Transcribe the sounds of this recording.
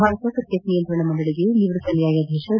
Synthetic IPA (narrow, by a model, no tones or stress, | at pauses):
aːɾɐt̪ɐkɾɐt̪jɐt̪nijɐnt̪ɾɐɳɐmɐɳɖɐɭiɡeniʋɾɐsɐljaːjɐd̪ʱjeːʂɐ